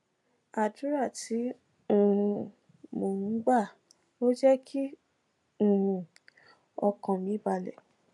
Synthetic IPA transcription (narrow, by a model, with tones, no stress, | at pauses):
a˨du˨˦ɾa˦˨ti˨˦ | ũ˦˨ɾũ˧ | mo˨nũ˨˦ɡ͡ba˦˨ | o˦d͡ʒɛ˦kʰi˦ | ũ˦˨ɾũ˧ | ɔ˧kã˨mĩ˨˧˦ba˧lɛ̰˨